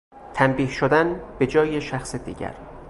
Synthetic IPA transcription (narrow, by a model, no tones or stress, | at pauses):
t̪ʰæmbiːhʃod̪ænb̥e̞d͡ʒɒːjeʃæxsed̪ḭːɟæ̰ɾ